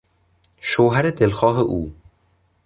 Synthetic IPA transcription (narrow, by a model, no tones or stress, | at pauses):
ʃoːɦæɾed̪elxɒːɦeʔuː